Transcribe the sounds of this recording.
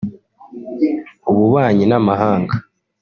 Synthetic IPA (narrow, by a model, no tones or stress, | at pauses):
uβuβaːɲinamaɦaːŋɡa